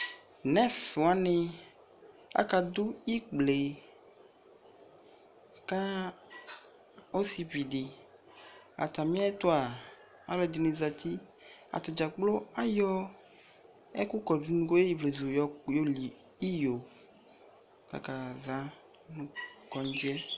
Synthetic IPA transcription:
nɛ˦sʊ˨a˦nɪ̃˦ | a̰˦ka˨d̪ʊ˦i˦k͡ple˨ | ka˦ | o˦si˦vi˨dɪ˨ | a̰˨t̪a˨mĩ˦a˦t̪ʊ˦a˨ | a˦lɔ˨d̪ɪ˨nĩ˨za˨t̪i˦ | a̰˨t̪ɔ˨d͡ʒa˨k͡plo˦a˦jɔ˦ | ɛ˦kʊ˦kɔ˨d͡ʒu˨nũ˨ɡo˦e˦i˨vle˨zu˨jɔ˨jo˦li˨ | i˦jo˨ | ka̰˨ka˨za˨˦ | nʊ̃˦kɔ˨ɲ˦d͡ʒɛ˦

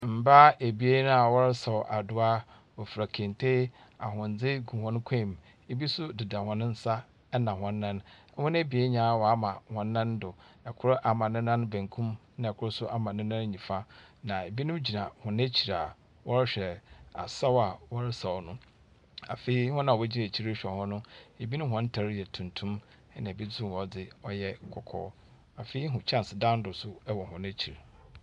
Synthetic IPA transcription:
m̩˨ba˦e˨bi˦e˦nʊ̃˦a˨wɔ˦ɾɪ˦sa˨wʔa˨dʊ˦a˦ | ɔ˨fɾa˨kʰẽ˨n˨tʰe˦ | a˨ɦʊ̃˨n̩˨d͡zɪ˦ɡu˨hɔ̃˦n˦kʷʰẽ˦˨m˨ | e˦bi˦sʊ˦dɪ˨da˨hʊ̃˨nɪ̃˦n̩˦sa˦ | nã˨hɔ̃˨nː˦ã˦n˦ | hʊ̃˦n˦e˦bi˨e˦ɲã˨wɔ˨a˦mã˨hɔ̃˨nː˦ã˦ndʊ˨ɛ˨kʰʊ˦ɾʊ˦ʔa˨mã˨nɪ̃˦nã˦n˦bæ̃˨ŋkʰũ˦mnã˨ɛ˨kʰʊ˦ɾʊ˦sʊ˦ʔa˨mã˨nɪ̃˦nã˦n˦ɲĩ˨fa˦nã˨e˨bi˦nʊ̃˦m˦d͡ʑi˨nã˨hʊ̃˨næ˦t͡ɕʰi˨ɾa˨ | wʔɔ˦ɾɪ˦ɕᶣɛ˨a̰˨sa˦wa˨wɔ˦ɾɪ˦sa˨ɔ˨nʊ̃˦ | a̰˨fe˨i˦hʊ̃˦nã˨ɛ˦d͡ʑi˦na˨t͡ɕʰi˦ɾɕᶣɛ˨hɔ̃˦nʊ̃˦e˨bi˦nʊ̃˦ɦɔ̃˨˦n̩˦tʰa˨ɾjɛ˨tʰũ˨ntʰũ˦m | ɛ˦nã˨bi˦dʊ̃˦˨ɔ˨dɪ˨ɔ˦jɛ˦kʰɔ˨kʰɔ̰ː˦ | a˨fe˨i˦ɦʊ̃˨t͡ɕʰã˦˨n˨sɪ˨dã˦n˦dʊ˨sʊ˦ɛ˦wɔ˨hʊ̃˨ne˦t͡ɕʰi˨ɾ

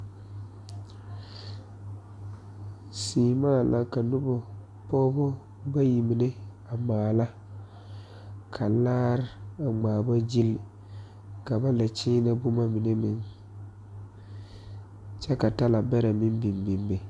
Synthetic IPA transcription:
siː˨maː˦˨la˦ka˨nʊ˦bɔ˨ | pɔː˦bɔ˦ | ba˦ji˨mi˨ne˦ | a˨ŋ͡maː˨la˦ | kʰa˨laː˦ɾa˨ŋ͡maː˨ba˦d͡ʒi˦l | ka˨ba˦nda˨t͡ʃiː˦na˦bʊ˦ma˦mi˨ne˦mɪ˨n | t͡ʃɛ˦ka˨ta˦la˨bɛ˦ɾa˨mɪ˦mbi˨mbi˨mbe˨

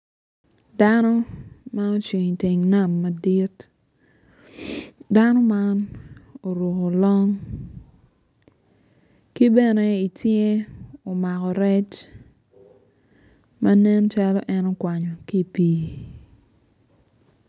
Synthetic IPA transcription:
da˦nɔ˦ma˦no˦t͡ʃi˨ŋ˨te˨ŋna˨mːa˨di˦t | da˦nɔ˦ma˦no˨ɾo˨ko˨lɔ˦ŋ | ki˦bɛ˦nɛ˨i˨tje˦o˨ma˨kɔ˨ɾɛ˦t͡ʃ | ma˦nɛ˦nt͡ʃa˦lɔ˦ʔɛ˦no˦kwa˨ɲɔ˨ki˦pi˨

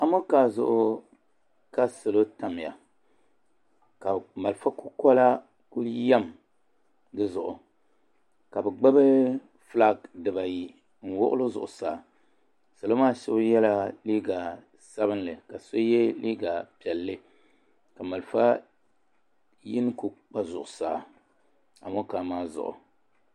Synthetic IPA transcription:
a˦mo˦ka˨zʊ̰˨ʔʊ˨ | ka˦so˨lo˦ta˨m˨ja̰˨ | ka˨ma˨lfa˦ku˦kɔ˦la˦ | ku˦ja˦m | dɨ˦zʊ˨ʔʊ˨ | ka˨bɨ˨ɡ͡ba˦bɨ˦ | fla˦˨ɡdɨ˨ba˨ji˨ | n̩˨wʊ̰˦ʔʊ̰˦lo˦zʊ̰˨ʔʊ˨saː˨ | sa˨lo˦maː˦ʃɛ˦jɛ˦la˦liː˦ɡa˨ | sa˦bɨ˦nlɨ˨ka˨so˦jɛ˦li˦ɡa˨pi˨ɛ˨lːɨ˦ | ka˨ma˨lfa˦ | ji˦n˦ku˦k͡pa˦zʊ˨ʔʊ˨saː˨ | a̰˨mo˦ka˨maː˦zʊ̰˨ʔʊ̰˨

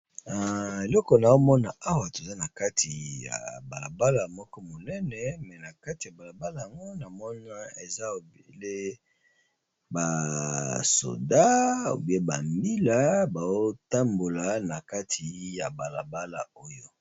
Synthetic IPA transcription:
a˨e˨lɔ˦kɔ˨na˨o˦mɔ˦na˨a˦wa˨to˨za˦na˨ka˦tʰi˨ja̰˨ba˨la̰˨ba˦la˨mɔ˦kɔ˦mo˨nɛ˦nɛ˨mɛ˨na˨ka˦ti˨a˨ba˨la˨ba˦la˨ja˨ŋɡo˦na˨mɔ˦na˦e˨za˦o˨be˨le˦ | ba˨ | so̰˨da˦o̰˨bi˦e˦ba˨mbi˦la˦ba˨zo˦ta˦mbo˨la˦na˨ka˦tʰi˨ja˨ba˨la˨ba˦la̰˨o˦jo˦

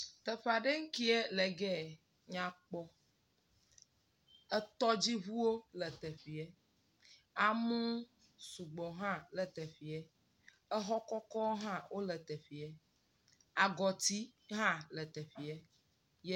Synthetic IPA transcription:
t̪ɛ˨ɸa˨ɖe˦ŋ̩˦ki˦ɛ˦lɛ˨ɡɛ˦˨ | ɲã˨k͡pɔ˦ | ɛ˦t̪ɔ˦d͡ʑi˦βu˦wo˦lɛ˨t̪ɛ˨ɸi˨ɛ˦ | a˨mũ˦ | su˨ɡ͡bɔ˨ɦã˦lɛ˨t̪ɛ˨fi˨ɛ˦ | ɛ˦ɦɔ˦kɔ˦kɔ˦o˦ɦã˦wʔo˦lɛ˨t̪ɛ˨ɸi˨ɛ˦ | a˨ɡɔ˨t̪i˦ɦã˦lɛ˨t̪ɛ˨fi˨ɛ˦ | jɛ˦

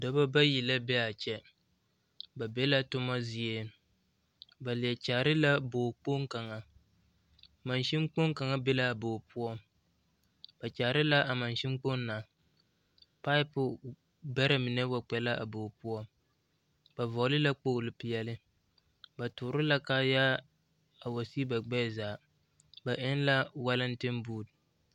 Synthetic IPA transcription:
da˦ba˦ba˦ji˨la˦bɛ˦a˨t͡ʃɛ˦ | ba˨bɛ˦la˦tʊ˦ma˦zi˨ɛ˦ | ba˨li˨ɛ˨t͡ʃaː˨ɾɪ˦la˦boː˨k͡po˦ŋ˦ka˨ŋa˨ | ma˨nʃi˦m˦k͡po˦ŋ˦ka˨ŋa˦bɛ˦la˦a˨boː˨pu˦ɔ˦ | b̥a˨t͡ʃa˨ɾɪ˦la˦ʔa˨ma˨nʃi˦mk͡po˦nː˦a˨ | pa˦ɪ˦pʊ˨ | bɛ˦ɾa˨mɪ˨nɛ˦wa˨k͡pɛ˨la˦ʔa̰˨boː˨pu˦ɔ˦ | ba˨vɔ˨˦lɪ˦la˦k͡po˦ɣlɪ˨pɪ˨jɛ˦lɪ˦ | ba˨tʊː˨˦ɾɪ˦la˦ka˦jaː˦ | a˨wa˨si˦ba˨ɡ͡bɛ˦˨zaː˨ | ba˨ʔɪ˦n˦la˦wa˦lɪ˦n̩˦tɪ˦mbuː˦˨d

